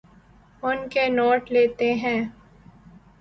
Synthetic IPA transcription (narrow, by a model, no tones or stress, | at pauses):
ʊnkenoːʈleːt̪eɦɛ̃ː